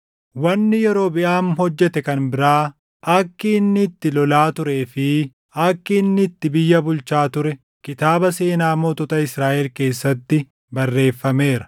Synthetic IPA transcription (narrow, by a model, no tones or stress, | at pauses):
wɐnːɪjɛɾo̞ːbɪʔaːmhɔd͡ʒːɛt̪ɛkɐnbɪɾaː | ɐkːinːɪt̪ːɪlɔlaːt̪ʊɾeːfɪ | ɐkːɪnːɪt̪ːɪbɪjːɐbʊlt͡ʃaːt̪ʊɾɛ | kɪt̪aːbɐse̞ːnaːmot̪ɔt̪ɐɪsɾaːʔɛlke̞ːsːɐt̪ːɪ | bɐrːe̞ːfːɐme̞ːɾɐ̥